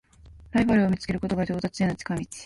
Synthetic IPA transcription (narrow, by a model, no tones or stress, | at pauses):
ɾaibaɾɯ̟o̞mʲit͡sɨ̥ke̞ɾɯ̟ko̞t̪o̞ɡaɾʲo̞ːt̪at͡sɨjenat͡ɕi̥kamʲit͡si̥